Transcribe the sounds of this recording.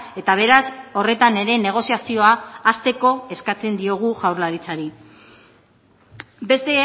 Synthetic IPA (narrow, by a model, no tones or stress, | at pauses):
e̞t̪aβ̞e̞ɾaso̞re̞t̪ane̞ɾe̞ne̞ɣ̞o̞siasio̞aːst̪e̞ko̞eskat͡se̞nd̪io̞ɣ̞uʝawɾlaɾit͡saɾi | be̞st̪e